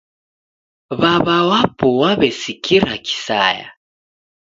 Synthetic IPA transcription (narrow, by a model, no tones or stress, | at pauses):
βaβawapɔwaβɛsikʰiɾaki̥sa̰ja̰